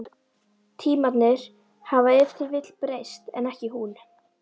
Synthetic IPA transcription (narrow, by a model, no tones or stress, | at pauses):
t̪ʰiːmat̪nɪɾ̥ | havaɛft̪ɪɾvɪt̪lpɾeːjst̪ɛ̰nɛhcɪɦun